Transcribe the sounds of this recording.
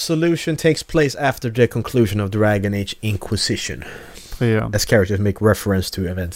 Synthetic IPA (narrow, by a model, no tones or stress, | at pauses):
səlʉʃɨ̃ntʰeɪkspʰl̥eɪsæftə˞ðɨkʰə̃nkʰl̥ʉʒɨ̃nʌvdɹæɡɨ̃neɪd͡ʒɪ̃ŋkʰwɨz̥ɪʃɨ̰̃n | ɨz̥kʰɛɹɨk̚təzmeɪkʰɹɛfəɹɨ̃nstʰɨɪvɛ̃nt